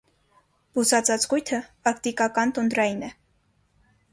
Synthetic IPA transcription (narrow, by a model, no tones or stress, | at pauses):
b̥usɑt͡sɑt͡sʁujt̪ʰəɑkt̪ikɑkɑnt̪und̪ɾɑjinɛ